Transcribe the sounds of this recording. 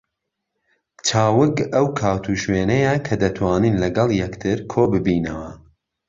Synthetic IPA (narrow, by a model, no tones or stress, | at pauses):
t͡ʃʰaːwɨkɐwkʰaːwt̪ʰuʃweːnɐjɐkʰɐd̪ɐt̪ʰwɑːniːnlɐɡɑlˠjɛkt̪ʰɨɾkʰoːbɨbiːnɐwɐ